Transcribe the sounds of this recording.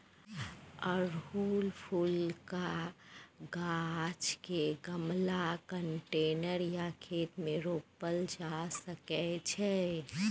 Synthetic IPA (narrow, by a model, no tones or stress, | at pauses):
əɾɦulpʰulka | ɡat͡ʃkeɡəmlakəɳʈenəɾjakʰet̪mẽɾopəld͡ʒasəkɛt͡ʃʰɛ